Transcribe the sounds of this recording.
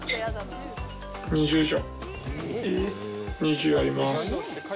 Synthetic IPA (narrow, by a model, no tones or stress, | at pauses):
ɲ̟iʑɨːʑo | ɲiʑɨːaɾʲimasɨ̥